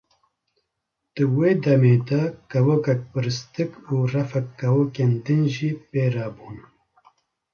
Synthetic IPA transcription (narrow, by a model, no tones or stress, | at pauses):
d̪̥ɨweːd̪ɐmeːd̪akɐwokɐk̚pɨɾɨst̪ɨkuːrɐfɐkːɐwokend̪ɨnʒiːpeːɾaːbuːn